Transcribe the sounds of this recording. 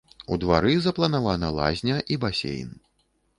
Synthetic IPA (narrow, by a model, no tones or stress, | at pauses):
ud̪va̰ɾɨzɐplˠɐnavanɐlˠa̰zʲnʲɐʔibasʲḛjn